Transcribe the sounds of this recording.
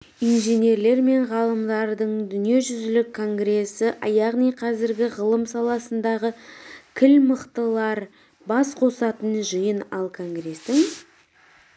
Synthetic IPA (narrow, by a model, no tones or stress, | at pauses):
ijnʒene̞ɾle̞ɾme̞ɴʁɑlˠəmd̪ɑɾd̪əɴd̪ʏnije̞ʒʏzɪlɪkʰːo̞ŋɡɾe̞sːɪʔɑjɑʁnijqʰɑzɪɾɡʲɪʁəlˠəmsɑlˠɑsənd̪ɑʁəkʲʰɪlməqt̪əlˠɑɾ | bɑsqʰo̞sɑt̪ənʒəjənɑlˠkʰo̞ŋɡre̞st̪ɪŋ